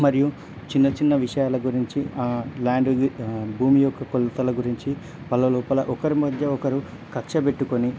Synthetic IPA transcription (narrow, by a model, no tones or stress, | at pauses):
mɐɾiju | t͡ʃinːɐt͡ʃinːɐʋiʂɐjaːlɐɡuɾiɲt͡ʃilaːɳɖbʱuːmijɔkːɐkolːɐt̪ɐlɐɡuɾiɲt͡ʃi | pɐlːɐlɔːpɐlɐʔɔkɐɾumɐd̪jɐɔkɐɾu | kɐkʂɐpe̞ʈːukoni